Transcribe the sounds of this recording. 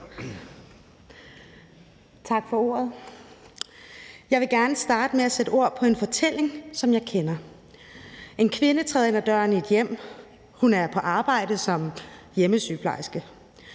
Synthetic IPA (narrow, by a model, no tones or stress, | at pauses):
t͡sʰɑ̈ɡ̥fɒ̽o̝̰ːɐð̞̩ˠ | jɑ̈ɪʋe̝ɡ̥æɐnəsd̥ɑ̈ːd̥əmeæsed̥əo̝ɐ̰pʰɒ̽e̝nfɒ̽t͡sʰel̰e̝ŋsɒ̽mjɑɪkʰenɐ | ʔe̝nkʰʋe̝nət͡sʰʁɛðˠenæd̥ɶɐnie̝d̥jem̰ | hunæɐpʰɒ̽ʔɑ̈ːb̥ɑ̈ɪ̰d̥əsɒ̽mjeməsy̰ːpʰlɑ̰̈ɪsɡ̥ə